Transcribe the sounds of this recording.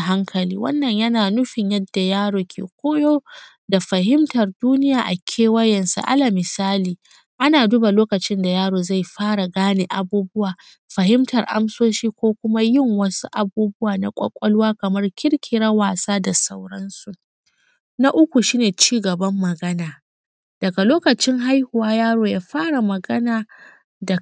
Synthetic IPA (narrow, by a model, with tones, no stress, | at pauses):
ɦa˦ŋkʰɐ˨lḭː˦wɐ̰˦nːɐ˨ɲjɐ˦naː˨nʊ˦ɸɪ˨ɲjɐ˦dːa˨jaː˦ɽoː˨kʲʰḛː˨kʷoː˦joː˦ | da˨ɸɐ˨hɪ˦mtɐ˨rduː˦nɪ˦jaː˨ʔa˨kʲʰeː˦wɐ˦jɐ˨nsṵ˨ʔa̰˦la˨mɪ˨saː˦liː˨ | ʔa˦naː˨duː˦ba˨loː˦kɐ˨t͡ʃɪ˦nda˨jaː˦ɽoː˨za˦˨jɸaː˦ɽa˨ɡaː˦neː˨ʔa˨buː˦bʊ˦waː˨ | ɸɐ˨hɪ˦mtɐ˨rʔa̰˦msoː˦ʃiː˦kʷoː˦kʷʊ˦ma˦jɪ˦˨ŋwɐ˦su˦ʔa˨buː˦bʊ˦waː˨na̰˨kʷʼɐ̰˦kʷʼɔ˦lwaː˦kɐ˨mɐ˦rkʲɪ˦ɽkʲʰɪ˨ɽa˦waː˨saː˦da˨sa˦wɽɐ˦nsu˨ʔ | na˦ʔʊ˦kʷu˨ʃiː˦neː˨t͡ʃiː˦ɡɐ˨bɐ˦mːɐ˨ɡɐ˦naː˨ | d̥ɐ˨ɡa˨loː˦kɐ˨t͡ʃɪ˦ŋɦa˦jhʊ˨waː˦jaː˦ɽoː˨jaː˦ɸaː˦ɽa˨mɐ˨ɡɐ˦naː˨ | da˨